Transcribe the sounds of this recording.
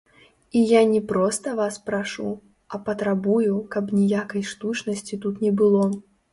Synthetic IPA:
ijanʲɛpɾɔst̪ɐvaspɾaʂṵ | ɐpɐt̪ɾabujukɐpnʲijakɐjʂt̪ut͡ʂnɐsʲt͡sʲit̪ut̪nʲɛbɨlˠɔ

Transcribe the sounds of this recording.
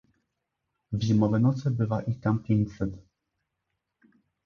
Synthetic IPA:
vʑimɔvɛnɔt̪sɘbɘvaʔit̪ampʲjeɲt͡ɕsɛt̪

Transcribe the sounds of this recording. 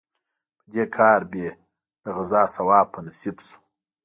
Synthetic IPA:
pəd̪ekʰɑːɾbe | d̪̥əɣɪzɑːsawɑːpʰːənasibsu̥

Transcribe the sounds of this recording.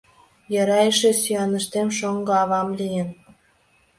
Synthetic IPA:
jɑɾɑjəʃesyɑnəʃt̪emʃoŋɡɤɑβɑmlʲijen

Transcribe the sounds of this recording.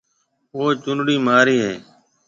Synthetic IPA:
oːt͡ʃʊnɽiːmaːɾiːɦeː

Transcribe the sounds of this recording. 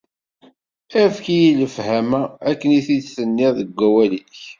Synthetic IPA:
æfkijiləfhæmæækːəniθidθənːɪðəɡʷːæwæliç

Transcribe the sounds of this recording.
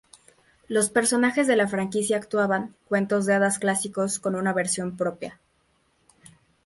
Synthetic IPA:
lo̞spe̞ɾso̞naxe̞zðe̞lafɾaŋkisjaːkt̪waβaŋkwe̞nt̪ozðeaðasklasiko̞sko̞nũnaβe̞ɾsjo̞mpɾo̞pja̰

